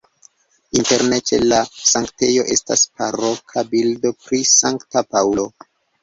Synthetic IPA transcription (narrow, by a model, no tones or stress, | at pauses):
inte̞ɾne̞t͡ʃe̞̰lasaŋkte̞jo̞ʔe̞staspaɾo̞kʰabildo̞pɾisaŋktapawlo̞